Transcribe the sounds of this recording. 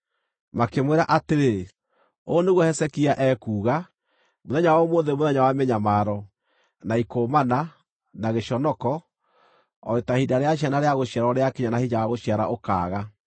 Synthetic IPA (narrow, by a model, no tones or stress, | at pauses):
makemwɛɾaʔateɾe | oneɣwɔhɛsɛkiaʔɛːkuːɣa | moðɛɲawɔmoðemoðɛɲawamɛɲamaːɾɔ | naikoːmana | naɣeʃɔnɔkɔ | ɔ̰ɾetahidaɾeaɕ̬ianaɾeaɣoɕiaɾɔɾeakeɲanahiɲawaɣoɕiaɾa̰ʔoka̰ːɣa